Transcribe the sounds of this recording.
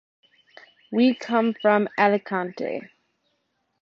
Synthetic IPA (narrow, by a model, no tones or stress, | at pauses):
wikʰʌ̃ɱfɹə̃maləkʰãntʰə̰